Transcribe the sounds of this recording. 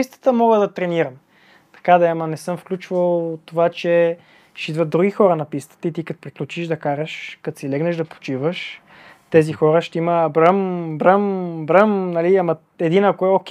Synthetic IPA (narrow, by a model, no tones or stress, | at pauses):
ist̪ə̥t̪əmɔɡəd̪ɐt̪ɾɛniɾəm | t̪ɐ̥kad̪ɐamɐnɛsɤmfklʲut͡ʃvəlˠt̪ːovat͡ʃɛ | ʃit̪vət̪d̪ɾuɡʲixɔɾənɐpist̪ə̥t̪əit̪ikɐt̪o̥pɾiklʲut͡ʃiʃd̪ɐkaɾəʃkɐt̪silɛɡnəʃd̪ɐpo̥t͡ʃivəʃ | t̪ɛzixɔɾəʃt̪ɛiməːbɾəmbɾəmbɾəmnɐliamɐ | ɛd̪inɐkoɛokʲ